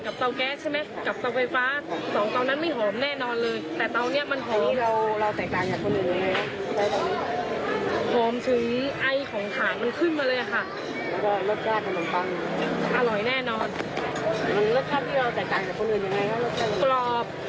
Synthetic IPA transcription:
ka˨˩p̚t̪a˧wkɛː˦˥t͡ɕʰa˥˩jma˦˥ka˨˩p̚t̪ɔ˧wfa˧jfaː˦˥sɔː˩˦ŋt̪ɔː˧nːa˦˥nma˥˩jɦɔː˩˦mnɛː˥˩nɔː˧nlɤː˧jt̪ɛː˨˩t̪ɔː˧nːi˦˥ɐma˧nɦʰoː˨˩˦mʰiː˥˩ɾa˧wɾa˧wt̪ɛː˨˩k̚t̪aː˨˩ŋt͡ɕaː˨˩kʰo˧nʔɯː˨˩nja˧˩ŋːa˧jʰa˥˧˥ | daː˧˩t̪aː˨˩niː˧˥ | hoː˩˦mt̪ʰɯ˩˦ŋʔa˧jkʰɔː˩˦ŋt̪ʰaː˩˦nma˧nkʰɯ˥˩nmaː˧lɤː˧jʔa˨˩kʰa˥˩ | mɛː˦˥kɔː˥˩loː˦˥˩p̪̚kaː˥˩kʰa˧ma˧˦nba˧˥˩ŋ | ʔa˧lɔ˨˩˦jnɛː˥˩nɔː˧n˧˩˧ | lo˦˥˩kʰaː˥˩mt̪ʰi˥˩ɾa˧wt̪ɛː˨˩k̚t̪aː˨˩ŋt͡ɕa˨˩kʰo˧ʔɯː˨˩nja˨˧ŋa˧˦jkʰa˦˥loː˥˩t̚kʰa˥˩˨lɔː˧˩p̚

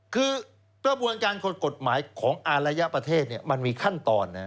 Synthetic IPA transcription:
kʰɯː˧ | kɾa˧bu˧ənkaː˧nko˨˩t̪̚ko˨˩t̪̚maː˩˦jkʰɔː˩˦ŋʔaː˧nɾa˧ja˦˥pɾa˧t̪ʰeː˥˩t̪̚ni˥˩ɐma˧nmiː˧kʰa˥˩nt̪ɔ̰ː˧nːa˦˥

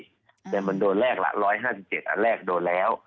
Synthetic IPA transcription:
t̪ɛː˨˩ma˧ndoː˧nlɛː˥˩k̚la̰˧˩ʔɾɔː˦˥jɦãː˥˩si˨˩p̚t͡ɕe˨˩t̪ʔa̰˧˩lɛː˥˩k̚doː˧nlɛː˦˥w

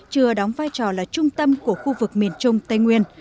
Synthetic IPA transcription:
t͡ɕɨ˨˩əɗɔ˨˦wŋ͡mvaː˧jt͡ɕɔ˨˩laː˨˩t͡ɕʊ˧ŋ͡mt̪ə˧mku˧˩əxu˧vɨ˨˩k̚mi˨˩ənt͡ɕʊ˧ŋ͡mt̪ə˧jŋwi˧ən

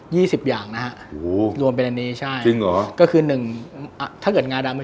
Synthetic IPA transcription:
jiː˥˩si˨˩p̚jaː˨˩ŋna˦˥kʰa˦˥ʔʔo˨˩˦ɾu˧əmp̬e˧nʔa˧nːiː˦˥˩t͡ɕʰa˥˩jt͡ɕi˧ŋlɔː˩˦kɔː˥˩kʰɯː˧nɯ˨˩ŋʔt̪ʰa˥˩kɤː˨˩t̪̚ŋaː˧ndaː˧ma˥˩

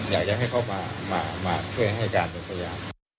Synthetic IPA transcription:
jaː˨˩k̚t͡ɕa˨˩ɦa˥˩jkʰa˦˥˩wmaː˧maː˧maː˧t͡ɕʰɯ˥˩ə˨ŋɦa˥˩jkaː˧npe˨˧˩npʰa˧jaː˧m

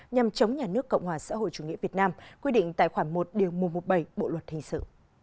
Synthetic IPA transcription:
ɲa˨˩mt͡ɕə˨˦wŋ͡mɲaː˨˩nɨ˦˥əkːə̰˧˨wŋ͡mhwaː˨˩sa̰ː˧˥˦ho̰˧˨jt͡ɕu˧˩ŋḭ˧˥əvi˨˩ət̚naː˧mkwi˧ɗḭ̈˧˨ŋ̟t̪a̰ː˧˨jxwaː˧˩ŋmo˨˩t̚ɗi˨˩əwmu˨˩t̚mo˨˩t̚ɓə˧˩jɓo̰˧˨lwə˨˩t̚hï˨˩ŋ̟sɨ̰˧˨

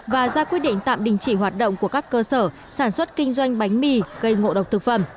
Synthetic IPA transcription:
vaː˨˩zaː˧kwi˦˥ət̚ɗḭ̈˧˨ŋ̟t̪a̰ː˧˨mɗï˨˩ŋ̟t͡ɕi˧˩ɦwaː˨˩t̚ɗə̰˧˨wŋ͡mku˧˩əkaː˦˥kːəː˧səː˧˩ | saː˧˩nswə˦˥t̚kï˧ŋ̟zwa˧jŋ̟ɓa˨˦jŋ̟mi˧˩ɣə˧jŋo̰˧˨ɗə˨˩wk͡p̚t̪ɨ˨˩k̚fə˧˩m

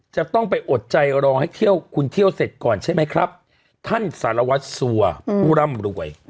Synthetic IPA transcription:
t͡ɕa˨˩t̪ɔ˥˩ŋpa˧jʔo˨˩t̪̚t͡ɕa˧jɾɔː˧ŋha˥˩jt̪ʰi˥˩əwkʰu˧nt̪ʰi˥˩əwse˨˩t̪̚kɔː˨˩nt͡ɕʰa˥˩jma˦˥jkʰɾa˦˥p̚ | t̪ʰa˥˩nsaː˩˦ɾa˧wa˦˥t̪̚su˧ɐpuː˥˩ɾa˥˩mɾu˨˩əj

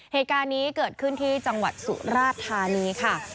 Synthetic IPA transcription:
heː˨˩t̪̚kaː˧nːiː˦˥kɤː˨˩t̪̚kʰɯ˥˩nt̪ʰiː˥˩t͡ɕa˧ŋwa̰˨˩t̪̚sṵ˨˩ɾaː˥˩t̪ʰːaː˧niː˦˥kʰa˥˩

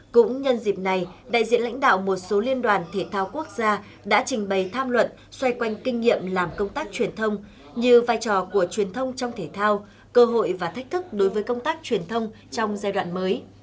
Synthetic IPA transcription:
kʊ̰˧˥ŋ͡mɲə˧nzi˨˩p̚na˨˩jɗa̰ː˧˨jzḭ˧ənla̰˧˥jŋ̟ɗa̰ː˧˨wmo˨˩t̚so˨˦li˧ənɗwaː˨˩nt̪ʰe˧˩t̪ʰaː˧wku˦˥ək̚zaː˧ | ɗa̰ː˧˥t͡ɕï˨˩ŋ̟ɓə˨˩jt̪ʰaː˧mlwə̰˧˨n | swa˧jkwa˧jŋ̟kï˧ŋ̟ːḭ˧˨əmlaː˨˩mkə˧wŋ͡mt̪aː˦˥k̚t͡ɕwi˨˩ənt̪ʰə˧wŋ͡m | ɲɨ˧vaː˧jt͡ɕɔ˧˩ku˧˩ət͡ɕwi˨˩ənt̪ʰə˧wŋ͡mt͡ɕɔ˧wŋ͡mt̪ʰe˧˩t̪ʰaː˧w | kəː˧ɦo̰˧˨jvaː˨˩t̪ʰa˦˥k̚t̪ʰɨ˦˥k̚ɗo˨˦jvəː˨˦jkə˧wŋ͡mt̪aː˦˥k̚t͡ɕwi˨˩ənt̪ʰə˧wŋ͡m | t͡ɕɔ˧wŋ͡mzaː˧jɗwa̰ː˧˨nməː˨˦j

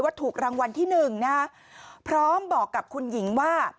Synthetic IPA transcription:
waː˥˩t̪ʰuː˨˩k̚ɾaː˧ŋwa˧nt̪ʰiː˥˩nɯ˨˩ŋna˦˥a˥ | pʰɾɔː˦˥mbɔː˨˩kːa˨˩p̚kʰu˧nji˩˦ŋwaː˥˩

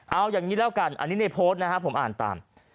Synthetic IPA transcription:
ʔa˧wjaː˨˩ŋːiː˦˥lɛː˦˥wka˧nʔa̰˧nːiː˦˥na˧˩jpʰoː˦˥t̪̚na˦˥kʰa˦˥pʰo˩˦mʔa̰ː˨˩nt̪a̰ː˨˩m

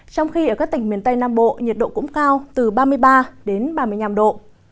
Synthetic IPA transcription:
t͡ɕɔ˧wŋ͡mxi˧ʔəː˧˩kaː˦˥k̚t̪ï˧˩ŋmi˨˩ənt̪ə˧jnaː˧mɓo̰˧˨ɲi˨˩t̚ɗo̰˧˨kʊ̰˧˥ŋ͡mkaː˧wt̪ɨ˨˩ɓaː˧mɨ˧əjɓaː˧ɗe˨˦nɓaː˧mɨ˧əjɲaː˧˩mɗo̰˧˨

